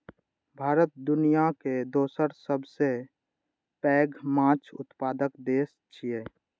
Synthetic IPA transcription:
bʱaːɾət̪̚d̪ʊnijaked̪oːsəɾsəbse | pɛːɡmãːt͡ʃʰʊ̰t̪paːd̪əkd̪eːs | t͡ʃʰijeː

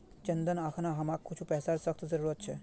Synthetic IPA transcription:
t͡ʃɐ̃nd̪ənaːkʰnaɦɐmaːkkʰːʊt͡ʃʰupɛːsaːɾsəkʰt̪zɐɾuːɾət̪̚t͡ʃʰɛ

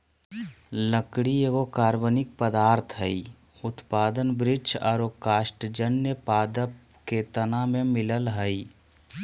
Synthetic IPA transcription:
ləkɽieɡokaːɾbənɪk̚pəd̪aːɾt̪ʰɦəi | ʊt̪paːd̪ənbɾɪd͡ʒɔːɾokaːsʈd͡ʒənjəpaːd̪əp | ket̪ənamẽmɪləlɦəi

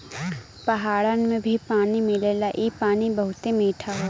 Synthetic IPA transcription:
pɐɦaːɽənmẽbʱipaːnimɪleːlaʔiːpaːnibɐɦʊt̪emiːʈʰaɦo

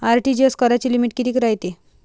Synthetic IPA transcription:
aɾʈid͡ʑoskəɾat͡ɕilimiʈ̚kit̪iːkɾajt̪e

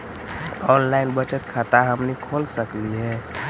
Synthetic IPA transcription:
ɔnlainbət͡ʃət̪kʰat̪aɦəmnikʰolsəkliɦɛ̃

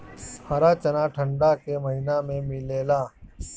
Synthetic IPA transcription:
hɐɾaːt͡ʃɐnaʈʰə̃ɳɖakemɐɦɪnamẽmɪleːlaː

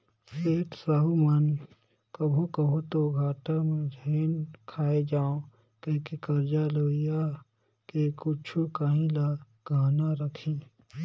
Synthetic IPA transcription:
seːʈsaɦumən | kəbʱokəbʱut̪oɡʱaːʈamẽd͡ʒʱeːnkʰaːed͡ʒaːõ | kəkekəɾd͡ʒaloːɪja | kekʊt͡ʃʰukaːɦĩla | ɡʱaːnaɾəkʰĩː

